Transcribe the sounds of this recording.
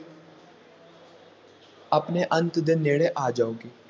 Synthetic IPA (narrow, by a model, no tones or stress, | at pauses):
ɐpneʔə̃nt̪d̪enːeːɽeʔaːd͡ʒaːoːɡeː